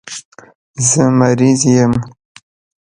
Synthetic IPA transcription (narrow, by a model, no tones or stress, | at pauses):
zəmaɾizjəm